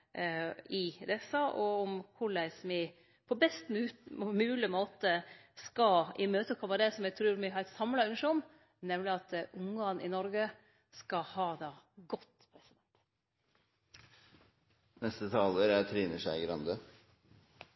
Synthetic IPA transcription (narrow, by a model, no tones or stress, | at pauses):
ɪd̪ɛsɑʔɔɔmkʰʊɭæɪsmɪ | pʰɔbɛst̪ːmʉːlɪmoːt̪əskɑɪmøːt̪əkʰɔʋɑd̪ɛsɔmjæt̪ʰɾʉːɾmɪɦɑɾɛt̪sɑmlɑʉŋʂʊm | nɛmlɪɑt̪ʔʊŋɡɑːnɪnɔɾɡə | skɑhɑːd̪ɑːɡɔt̪ːpʰɾɛsɪd̪ɛnt̪ | nɛst̪ət̪ʰɑːləɾæt̪ʰɾiːnəʂæɪɡɾɑnd̪ə